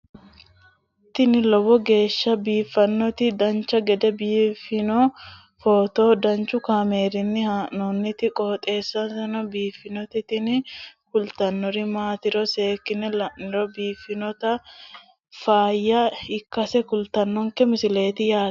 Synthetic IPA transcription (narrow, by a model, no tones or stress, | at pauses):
ɪt̪ːɪnɪlɔbɔɡe̞ːʃːɐbiːfːɐnːɔt̪ɪd̪ɐnt͡ʃːɐɡɛd̪ɛbiːfɪnɔ | foːt̪o̞ːd̪ɐnt͡ʃːʊkaːme̞ːɾɪnːɪhaːʔnɔnːɪt̪ɪkʼoːt̪ʼe̞ːsːɐsɛnɔbiːfːɪnɔt̪ɪt̪ɪnkʊlt̪ɐnːɔɾɪmaːt̪ɪɾɔse̞ːkːɪnɛlɐʔɪɾɔbiːfːɪnɔt̪ɐ | faːjːɐɪkːɐsɛkʊlt̪ɐnːɔŋkɛmɪsɪle̞ːt̪ɪjaː